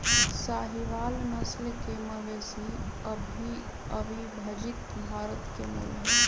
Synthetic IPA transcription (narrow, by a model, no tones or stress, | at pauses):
saːɦiʋaːlnəslkeməɡeːsiəbʱi | əbʱibʱɐd͡ʒɪt̪bʱaːɾət̪kemə̰lɦe